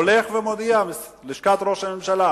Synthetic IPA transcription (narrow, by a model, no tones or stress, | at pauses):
oleχvemod̪iam | leʃkat̪ɾo̞ʃame̞mʃala